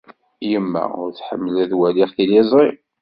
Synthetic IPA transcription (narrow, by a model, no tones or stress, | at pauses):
jəmːæ̰ʊ̰ɾθħəmːəlæðwæliχθilizˤi